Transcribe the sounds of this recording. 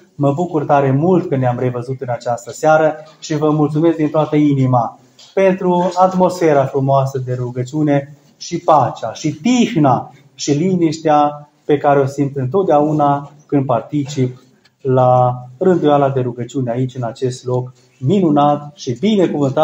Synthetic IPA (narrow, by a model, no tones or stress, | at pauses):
məbukurt̪aɾe̞mult̪kəneamre̞vəzut̪ɨnat͡ʃast̪əseaɾəʃivəmult̪sumesk̚d̪int̪oat̪əinima | pe̞nt̪ɾuat̪mo̞sfe̞ɾafɾumoasəd̪e̞ɾuɡət͡ʃune̞ | ʃipat͡ʃaʃit̪ixna | ʃiliniʃt̪ea | pe̞kaɾeosint̪ɨnt̪o̞t̪̚d̪eaunakɨnd̪̚part̪it͡ʃip | larɨnd̪ujalad̪e̞ɾuɡət͡ʃiuneait͡ʃʲɨnat͡ʃe̞st̪lo̞k | minunat̪ʃibine̞kuvɨnt̪a